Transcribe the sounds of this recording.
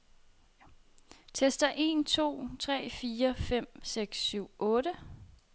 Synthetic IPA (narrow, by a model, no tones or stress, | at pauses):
t͡sʰesd̥ɐʔe̝̰ːnt͡sʰo̝̰ːt͡sʰʁɛ̰ːfiːɐfem̰seɡ̥sːyʊ̰ʔɔ̽ːɾə